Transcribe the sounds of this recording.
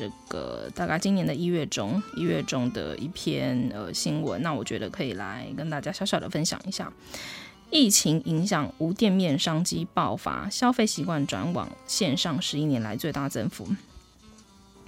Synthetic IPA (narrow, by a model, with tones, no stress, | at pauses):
ʈ͡ʂɤ̰˥˩ɡ̥ə̰˨˩t̪a˥˩ka˥˩ɪt͡ɕi˥njɛ˧˥nd̪ə˨i˥ɥɛ˥˩ʈ͡ʂʊ˥ŋi˥ɥɛ˥˩ʈ͡ʂʊ˥ŋd̪ə̰˨˩ʔḭ˥˩pʰjɛ˥nə̰˧ɕi˥ŋwə̰˧˦nna˥˩wɔ˨˩t͡ɕɥɛ̰˧˥d̪ə˧kʰɤ˧˥ḭ˨˩la̰˧˥ɪkə˥nt̪a˥˩t͡ɕja˥ɕjɑ˧˥ʊɕjɑ˨˩ʊd̪ə̰˩fə˥nɕjɑ̰˨˩ŋi˧˥ɕja̰˥˩ | i˥˩t͡ɕʰi˧˥ŋi˧˥ŋɕjɑ˨˩ŋu˧˥t̪jɛ˥˧nmjɛ˥˨nʂɑ˥ŋt͡ɕi˥pɑ˥˩ʊfa̰˧˥˦ɕjɑ˥ʊfe˥˩ɪɕi˧˥kwa˥˩nʈ͡ʂwa̰˧˥nwɑ̰˨˩ŋɕjɛ˥˧nʂɑ˥˩ŋʂɻ̩˧˥i˥njɛ˧˥nla̰˧˥ɪt͡swe˥˧ɪt̪a˥˩t͡sə˥nfṵ˧˥˦